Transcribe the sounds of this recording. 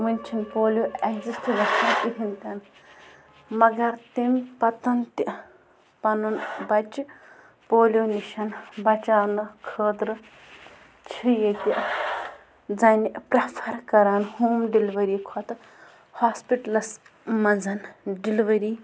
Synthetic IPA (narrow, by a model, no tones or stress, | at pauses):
ʋunʲt͡ʃʰinpoːljoeɡzisʈlɐsɐt̪iɦint̪ɐn | mɐɡɐɾt̪impɐt̪ɐnt̪i | pɐnunbɐt͡ʃi | poːljoniʃɐnbɐt͡ʃaːnɨkʰəːd̪ɾɨ | t͡ʃʰijet̪ʲiʔ | d͡zɐniʔpɾɐpʰɐɾkɐɾaːnhuːmɖiliʋɐɾiːkʰɔt̪ɨ | haːspiʈɐlɐs | mɐnd͡zɐnɖiliʋɐɾiː